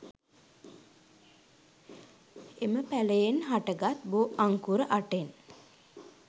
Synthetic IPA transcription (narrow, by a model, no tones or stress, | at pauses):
eməpæləjenɦaʈəɡat̪̚boʔaŋkuɾəʔaʈen